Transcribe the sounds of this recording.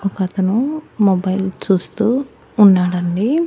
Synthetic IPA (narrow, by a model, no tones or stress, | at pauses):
ɔkɐɐt̪ɐnumobɐjlt͡ʃuːst̪uː | nːaːɽɐɳɖi